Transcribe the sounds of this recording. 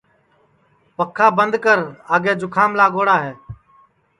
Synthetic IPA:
pəkʰːaːbənd̪kəɾaːɡeːd͡ʒʊkʰaːmlaːɡoːɽaːɦeː

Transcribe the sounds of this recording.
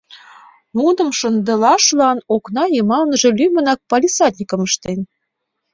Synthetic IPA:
ud̪ɤ̆mʃə̆nd̪ɤ̆lɑʃlɑnoknɑjɤmɑlnəʒĕlʲymə̆nɑk̚pɑlʲisɑt̪ʲnʲikɤ̆məʃt̪en

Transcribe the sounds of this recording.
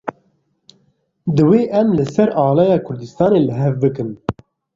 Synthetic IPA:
d̪ɨweːʔɛmlɨsɛɾɑːlɑːjɑːkʰʊɾd̪ɨst̪ɑːneːlɨɦɛvbɨkɨn

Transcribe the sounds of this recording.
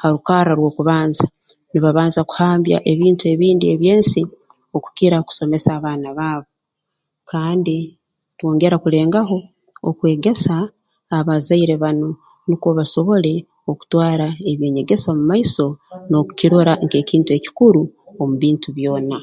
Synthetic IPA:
haɾukaːɾaɾwo̞ːkuβaːnza | niβaβaːnzaku̥haːmbja̰ʔe̞βiːntue̞βiːndie̞βjeːnsi | oku̥kiɾaku̥so̞me̞saːβaːnaβaːβo̞ | kaːndi | two̞ːŋɡe̞ɾakule̞ːŋɡaɦo̞ː | kwe̞ːɡe̞saː | βazaiɾe̞βano̞ | nikoβaso̞βo̞le̞ | oku̥twaːɾaeβje̞ːɲe̞ɡe̞samumaisono̞ku̥ciɾo̞ɾaŋke̞ːciːntue̞ci̥kuɾuomuβiːntuβjo̞ːna

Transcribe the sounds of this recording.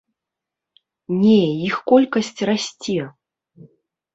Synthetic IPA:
nʲɛjixkɔlʲkɐsʲt͡sʲrasʲt͡sʲɛ

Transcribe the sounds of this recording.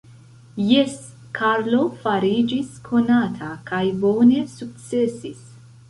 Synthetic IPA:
jes | kʰaɾlo̞faɾid͡ʒiskʰo̞natʰakajbo̞ne̞suk̚t͡se̞sis

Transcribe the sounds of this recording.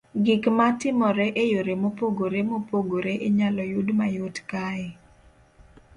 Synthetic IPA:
ɡɪkmatɪmɔɾɛʔejoɾemopoɡoɾemopoɡoɾeʔeɲalɔjʊdmajʊtkae

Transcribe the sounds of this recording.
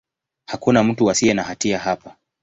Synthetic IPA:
hakunam̩tuasiɛnahatiaɦapa

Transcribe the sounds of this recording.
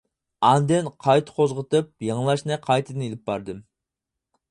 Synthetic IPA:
ɑnd̪ɨnqʰɑjt̪ʰɨ̥qʰozʁət̪ɨp̚jɑŋlˠɑʃnɨqʰɑjt̪ʰɨd̪ɨnelɪp̚bɑɾd̪ɨm

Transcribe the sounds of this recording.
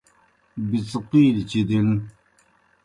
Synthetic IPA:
bit͡sqiːlt͡ɕid̪in

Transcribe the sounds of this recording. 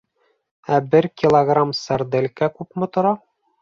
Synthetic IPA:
æbɘɾkʲilˠoɡramsæɾd̪ɘ̆lʲkækʉpmɘ̆t̪ŏɾɑ

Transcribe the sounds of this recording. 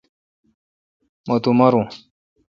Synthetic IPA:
mot̪umɐɾũ

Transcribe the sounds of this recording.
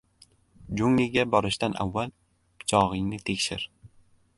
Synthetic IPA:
d͡ʒʊŋlɪɡʲabɒɾɪʃt̪anʔa̰vːalˠʰ | t͡ʃʰɒʁɪŋnɪt̪ʰe̞kʲʃɪ̰ɾ

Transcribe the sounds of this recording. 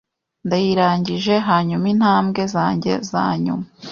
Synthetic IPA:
ndajiɾaːɲɟiʒe̞ɦaːɲumin̥haːmɡe̞zaːɲɟe̞̰za̰ːɲṵma

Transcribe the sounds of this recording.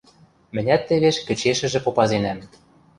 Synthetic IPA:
mɘ̆nʲæt̪ːĕβeʃkɘ̆t͡ɕeʃɘ̆ʒĕpopɑzenæm

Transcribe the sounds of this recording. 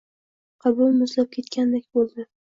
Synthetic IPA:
qʰɑbʊlˠmʊzlap̚kʲʰe̞t̪kʲand̪ekʲbolˠd̪ɪ

